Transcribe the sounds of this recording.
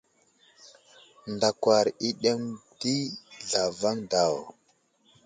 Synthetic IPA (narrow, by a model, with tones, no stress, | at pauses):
nda˨kwa˨ɾi˦ɗe˦mdi˦ɮa˨va˦ŋda˨w